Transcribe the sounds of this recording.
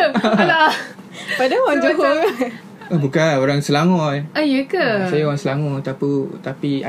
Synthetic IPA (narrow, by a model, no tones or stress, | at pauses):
la | padawaŋd͡ʒuɦo | əbukanoɾaŋsəlaŋɔ̃ʔajəkəsajaoɾaŋsəlaŋɔt̪aput̪apia